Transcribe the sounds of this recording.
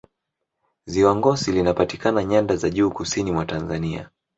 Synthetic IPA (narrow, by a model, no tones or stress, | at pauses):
ziwaŋɡɔsilinapatikanaɲandazaʄuːkusinimwatanzania̰